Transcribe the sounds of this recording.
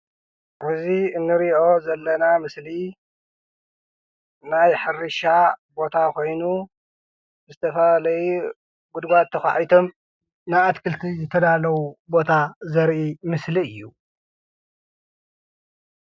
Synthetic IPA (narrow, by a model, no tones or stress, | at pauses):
ʔɨziɨnːɨɾiʔo̞zɐlːɐnamɨsli | najħɨrɨʃabo̞t̪ʰako̞jnu | zɨt̪ʰɐfɐalɐju | ɡud̪ɡat̪ʰːɐxa̰ʕjt̪ʰo̞m | najat̪kʰɨlt̪ʰizɨt̪ʰɐd̪alɐwubo̞t̪ʰazɐɾʔimɨsliɨjːu